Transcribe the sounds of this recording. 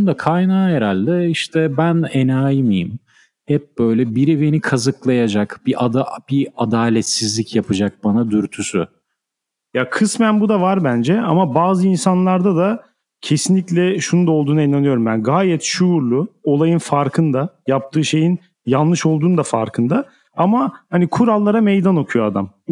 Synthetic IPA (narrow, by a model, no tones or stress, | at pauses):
nd̪akʰajnaːjeɾalʲd̪ɛiʃt̪ʰɛbænenaːjimijḭm | hɛp̚bø̞jlʲɛbiɾive̞nikʰazɯklˠajad͡ʒakb̥iʔad̪ab̥iad̪aːlʲɛt̪sizlʲicjapʰɯd͡ʒak̚banad̪yɾt̪ʰysy̰ | jakʰɯsmænbud̪avaɾbænd͡ʒɛamabaːzɯinsanlˠaɾd̪ad̪a | cʰe̞sinlʲicʲlʲɛʃunund̪ao̞lˠd̪uːnainanɯjo̞ɾumbænɡaːjɛt̪ʃuːɾlˠuo̞lˠajɯnfaɾkʰɯnd̪ajap̚t̪ʰɯːʃe̞jin | janlːˠɯʃo̞lˠd̪uːnd̪afaɾkʰɯnd̪a | amahanikʰuɾalˠːaɾamejd̪ano̞kʰujoad̪am